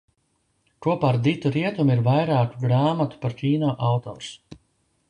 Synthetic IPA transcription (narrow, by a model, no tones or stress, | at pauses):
kuɔpaːɾd̪it̪uɾiɛt̪umiɾvajɾaːkuɡɾaːmat̪u̥paɾcʲiːnaːʔawt̪ɔ̰ːɾs